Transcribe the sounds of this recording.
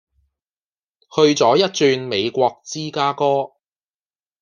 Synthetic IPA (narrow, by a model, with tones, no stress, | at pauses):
hɵ˧ɥt͡sɔː˨˥jɐ˥t̚t͡ʃyː˧nme˨˧jkʷɔː˧k̚t͡siː˥kaː˥kɔː˥